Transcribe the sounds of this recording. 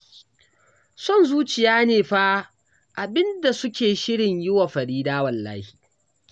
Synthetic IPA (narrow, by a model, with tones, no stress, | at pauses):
sɔ˦˨nzuː˦t͡ʃɪ˨jaː˦neː˨ɸaː˦ | ʔa˨bɪ˦nda˨sʊ˦kʲeː˨ʃɪ˦ɽɪ˨ɲjɪ˦wa˨ɸɐ˨ɾiː˦daː˦wɐ˨lːa̰ː˦hi̥ː˨